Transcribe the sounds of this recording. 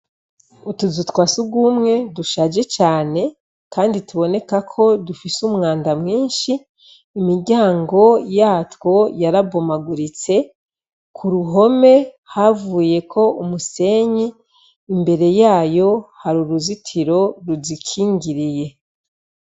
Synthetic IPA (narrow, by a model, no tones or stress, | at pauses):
utuzutwaːsuɡwumŋe̞duʃaːd͡ʒe̞t͡ʃaːne̞ | kaːndituβo̞ne̞kakʰo̞dufisumŋaːndamŋiːnʃiː | miɾɟaːŋɡo̞jaːtwo̞jaɾabo̞maɡuɾit͡se̞ | kʰuɾuɦo̞me̞ | havuːje̞kʰo̞umuse̞ɲiː | mbe̞ɾe̞jaːjo̞haɾuɾuzitʰiɾo̞ɾuzikʰiːŋɡiɾije̞